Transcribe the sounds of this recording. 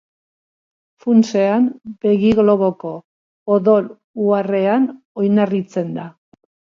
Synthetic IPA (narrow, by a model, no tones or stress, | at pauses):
funse̞ambe̞ɣiɣlo̞βo̞ko̞ | oðo̞l | uare̞an | o̞jnarit͡se̞nd̪a